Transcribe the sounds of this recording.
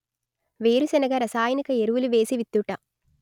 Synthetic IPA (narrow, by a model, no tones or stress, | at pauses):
ʋe̞ːɾusɛnɐɡɐɾɐsaːjɐnikɐeɾuʋuluʋe̞ːsiʋit̪ːuʈɐ